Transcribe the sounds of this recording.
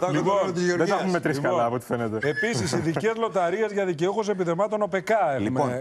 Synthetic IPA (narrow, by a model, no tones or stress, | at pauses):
t̪ɐliont̪izʝeoɾðeɐumet̪ɾiskɐlɐːpot̪i̥fenet̪eepisisiðice̞zlo̞t̪ɐɾiezʝɐðiceuxos̬e̞piðemɐt̪o̞no̞pekɐeɣliumeo